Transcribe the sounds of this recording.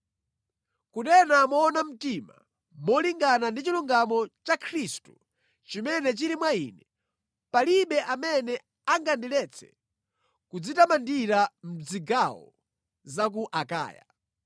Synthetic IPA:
kuɗɛnamɔːnam̩tima | mɔliŋɡanandit͡ʃiluŋɡamɔt͡ʃakʰɾistu̥ | t͡ʃimɛnɛt͡ʃiɾimwaḭːnɛ | paliɓɛʔamɛnɛ | aŋɡandilɛt͡sʰɛ̥̰ | kud͡zitamandiɾam̩d͡ziɡawɔ̰ | zak̬uʔaka̰ːja̰

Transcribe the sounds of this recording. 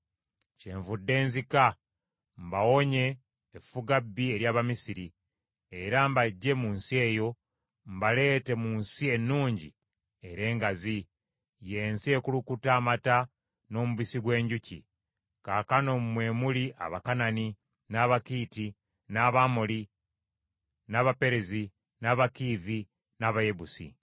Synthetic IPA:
ceːɱvudːe̞ːnzika | mbawo̞ɲe̞ː | fuɡabːie̞ɾjaːβamisiɾi | e̞ɾambaɟːe̞muːnsie̞ːjo̞ | mbale̞ːte̞munsie̞nːuːɲɟḭ | e̞ɾe̞ːŋɡazi | je̞ːnsie̞kulukutaːmata | no̞ːmuβisiɡwe̞ːɲɟucḭ | kakano̞mumwe̞ːmuliʔa̰βakanani | naːβakiːti | naβamoli | naːβape̞ɾezi | naːβakiːvi | naβaje̞βusḭ

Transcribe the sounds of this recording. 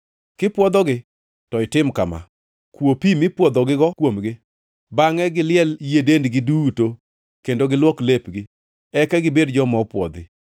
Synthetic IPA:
kɪpwɔd̪ɔɡɪ | tɔɪtɪmkama̰ | kwopimɪpwɔd̪ɔɡɪɡɔkwomɡɪ | baŋɛɡɪlɪɛljedendɡɪduto | kendoɡɪlwɔklepɡɪ | ɛkɛɡɪbedd͡ʒɔmɔpwɔ̰d̪ɪ

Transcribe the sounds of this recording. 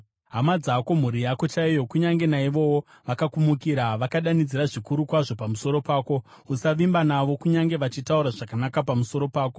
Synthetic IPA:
ɦamad͡zako̞m̤uɾijako̞t͡ʃaijo̞kuɲaŋɡe̞naiʋo̞wo | ʋakakumukiɾaʋakaɗanid͡ziɾaʐikuɾukwaʐo̞pamuso̞ɾo̞paːko̞ | usaʋimbanaʋo̞kuɲaŋɡe̞ʋat͡ʃitauɾaʐakanakapamuso̞ɾo̞paːko̞

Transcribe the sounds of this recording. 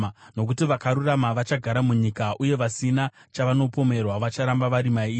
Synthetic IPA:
no̞k̬utiʋakaɾuramaʋat͡ʃaɡʱaɾamuɲikaʔuje̞ʋasina | t͡ʃaʋano̞po̞me̞rwaʋat͡ʃaɾambaʋaɾimai

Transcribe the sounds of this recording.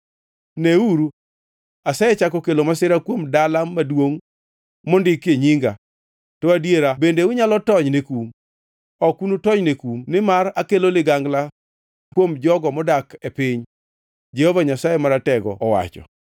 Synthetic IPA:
neuɾu | asaet͡ʃakɔkelomasɪɾakwomdalamːadwoŋ | mɔndɪkeɲiŋɡa | tɔadjeɾabendeʊɲalɔtɔɲnekum | ɔkunutɔɲnekumnɪmaɾakelolɪɡaŋɡla | kwomd͡ʒɔɡɔmɔdakepɪɲ | d͡ʒɛhɔvaɲasajemaɾatɛɡɔ̰ːwa̰t͡ʃɔ̰

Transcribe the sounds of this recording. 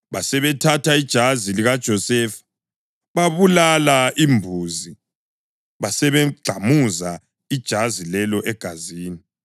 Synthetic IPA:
βasɛβɛtʰatʰaid̥ʒ̥ʱaziliɣad̥ʒ̥ʱɔsɛːfḁ | βaβulalaʔimbʱuːzi | βasɛβɛɡ͡ǀʱamuza | id̥ʒ̥ʱazilɛlɔʔɛɡ̥ʱaziːni

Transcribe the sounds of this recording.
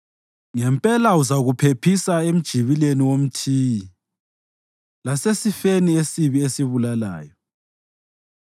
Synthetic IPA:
ŋɛmpʼɛlauzaɣupʰepʰisaem̩d̥ʒ̥ʱiβileniwom̩tʰiːji | lasesifeniesiβiesiβulala̰ːjɔ

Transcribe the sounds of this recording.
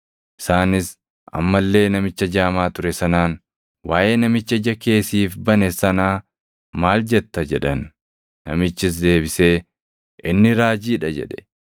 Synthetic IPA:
ʔɪ̥saːnɪs | ʔɐ̰mːɐlːe̞ːnɐmɪt͡ʃːɐd͡ʒaːmaːt̪ʊɾɛsɐnaːn | waːʔeːnɐmɪt͡ʃːɐd͡ʒɐke̞ːsiːfbɐnɛsɐnaː | maːld͡ʒɛt̪ːɐd͡ʒɛᶑɐnː | ɐ̰mɪt͡ʃːɪs̬d̪e̞ːbɪse̞ː | ʔɪnːɪɾaːd͡ʒiːᶑɐd͡ʒɛ̰ᶑɛ̥

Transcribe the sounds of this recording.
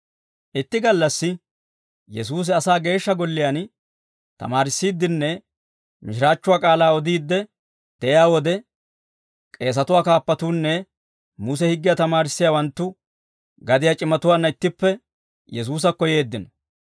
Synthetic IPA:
ʔɪt̪ːɪɡɐlːɐsːɪ | jɛsuːs̬ɪɐsaːɡe̞ːʃːɐɡɔlːɪjan | t̪ɐ̰maːɾɪsːiːd̪ːɪnːɛ | mɪʃɪɾaːt͡ʃːʊwaːkʼaːlaːɔd̪iːd̪ːɛ | d̪̥ɛʔjaːwɔd̪ɛ | kʼe̞ːsɐt̪ʊwaːkaːpːɐt̪uːnːɛ | mʊs̬ɛhɪɡːɪjat̪ɐmaːɾɪsːɪjawɐnt̪ːʊ | ɡɐd̪ɪjat͡ʃʼɪmːɐt̪ʊwaːnːɐɪt̪ːɪpːɛ | jɛs̬uːs̬ɐkːɔje̞ːd̪ːɪnɔ

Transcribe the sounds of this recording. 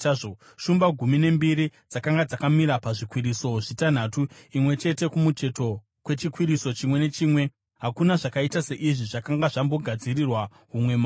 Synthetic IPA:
o | ʃumbaɡʱumine̞mbiɾid͡zakaŋɡad͡zakamiɾapaʐikwiɾiso̞ʐitan̤atuimwe̞t͡ʃe̞te̞kumut͡ʃe̞to̞ | kwe̞t͡ʃikwiɾiso̞t͡ʃimwe̞ne̞t͡ʃiːmwe̞ | ɦakunaʐakaitase̞ʔiʐiʐakaŋɡaʐambo̞ɡʱad͡zirirwa | ɦumwe̞maː

